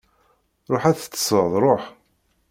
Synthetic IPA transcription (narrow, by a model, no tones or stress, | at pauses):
ɾˤoħæθə̥t͡sːə̥səðˤɾˤoħ